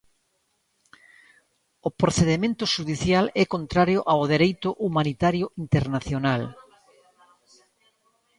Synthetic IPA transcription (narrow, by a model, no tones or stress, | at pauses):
opɾoθeðemẽnt̪ʊʃuðiθjalɛkont̪ɾaɾjoʔawð̞eɾejt̪ʊʔumanit̪aɾjoʔint̪eɾnaθjonal